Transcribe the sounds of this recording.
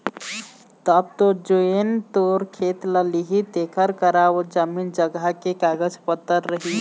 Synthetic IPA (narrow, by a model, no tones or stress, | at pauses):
t̪əb̚t̪od͡ʒoent̪oɾkʰet̪ləliɦit̪ekʰəɾkəɾaod͡ʒəmind͡ʒəɡakekaɡəd͡ʒpət̪ːəɾːəɦi